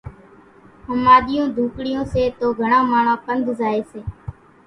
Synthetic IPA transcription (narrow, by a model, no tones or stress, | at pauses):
ɦəmaːɗ̪ɪjõːd̪ʱuːkɽɪjõːseːt̪oːɡʱəɳãːmaːɳãːpənd̪ʱzaːeːseː